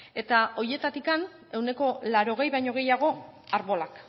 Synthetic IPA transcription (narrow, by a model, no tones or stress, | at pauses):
e̞t̪ao̞je̞t̪at̪ikan | e̞wne̞ko̞laɾo̞ɣ̞e̞jβajɲo̞ɣ̞e̞jaɣ̞o̞aɾβo̞lak